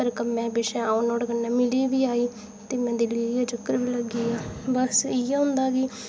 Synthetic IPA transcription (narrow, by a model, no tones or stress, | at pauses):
əɾkəmɛ̃ːbɪʃɛ̃ːanɔːɽɡənːɛ̃ːmɪliːʋiːaːiː | t̪eːmɛ̃ːd̪ilijaːd͡ʒɪkːəɾʋiːləɡiːɛːbəsɪjaːɦʊ̃nd̪aːɡiː